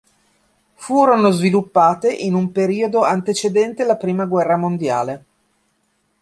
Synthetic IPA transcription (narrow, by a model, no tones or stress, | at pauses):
fuːɾonozvilupːaːt̪eʔinumpeɾiːod̪oant̪et͡ʃed̪ɛnt̪elapɾiːmaɡwɛrːamond̪ja̰ːle